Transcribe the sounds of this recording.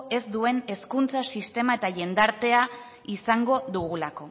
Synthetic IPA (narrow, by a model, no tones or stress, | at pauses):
e̞zd̪ue̞ne̞skunt͡sasist̪e̞mae̞t̪aʝe̞nd̪aɾt̪e̞a | isaŋɡo̞ðuɣulako̞